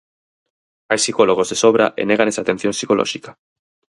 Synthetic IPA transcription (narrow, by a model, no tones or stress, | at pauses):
ajsikoloɣ̞ozðesoβ̞ɾaʔḛneɣ̞anesat̪e̞n̟θjonsikolʔo̰ʃikḁ